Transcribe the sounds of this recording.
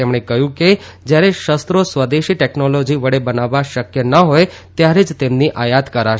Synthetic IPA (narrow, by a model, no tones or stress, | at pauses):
emɳ̃ekəɦjũke | d͡ʒjaɾeʃəst̪ɾosʋəd̪eʃiʈɛknolod͡ʒiʋəɽebənaʋːaʃəkjənəɦoj | t̪jaɾed͡ʒt̪emniʔajat̪kəɾaʃ